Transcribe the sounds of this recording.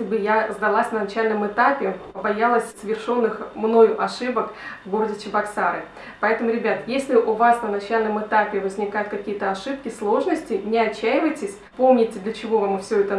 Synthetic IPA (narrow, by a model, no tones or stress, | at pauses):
lʲɪbɨjazd̪ɐlˠasʲnənɐt͡ɕælʲnəmɨt̪apʲɪbɐjalˠəsʲsəvʲɪrʂo̞nːɨxmno̞jʊʔɐʂɨbəkvɡo̞ɾədʲɪt͡ɕɪbɐksaɾɨ | pɐɛt̪əmʊɾʲɪbʲat̪jesʲlʲɪʔʊvasnənɐt͡ɕælʲnəmɨt̪apʲɪvəzʲnʲɪkajʊt̪̚kɐkʲijət̪əɐʂɨp̚kʲɪslˠo̞ʐnəsʲtʲɪnʲɪɐt͡ɕːæjɪvəjtʲɪsʲpomnʲɪtʲɪd̪lʲət͡ɕɪvo̞vamɨfsʲɵɛt̪ə